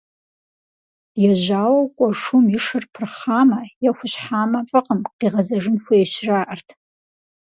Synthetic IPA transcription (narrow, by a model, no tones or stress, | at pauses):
jɛʒaːwɐwkʷʼɔʂʊmɪʂɨrpʰɨrχaːmɐjɛxʷʊɕħaːmɐfʼɨqəmqiːʁɐzɐʐɨnxʷɐeɕraːʔɐrtʰ